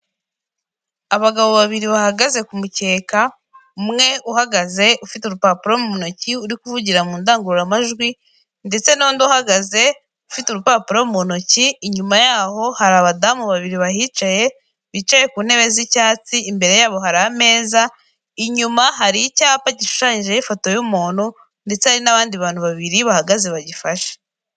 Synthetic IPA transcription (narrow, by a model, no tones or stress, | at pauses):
aβaɡaβo̞βaβiɾiβahaɡaze̞kumuce̞ːka | umŋe̞ʔuɦaɡaze̞ʔufituɾupaːpuɾomumono̞ciuɾikuvuɟiɾamuːndaːŋɡuɾuɾamaʒɡwi | nde̞t͡se̞nondohaɡaze̞ | ufituɾupaːpuɾommuono̞ciːɲumajaːho̞haɾaːβadamuβaβiɾiβaɦit͡ʃaje̞ | βit͡ʃaje̞kuːn̥he̞βe̞zicaːt͡siːmbe̞ɾe̞jaːβo̞ɦaɾaːme̞ːza | iɲumaɦaɾicaːpaɟiʃu̥ʃaːɲiʒejifo̞to̞jumuːn̥u | nde̞t͡se̞haɾinaβaːndiβaːn̥huβaβiɾiβahaɡaze̞βaɟifaʃe̥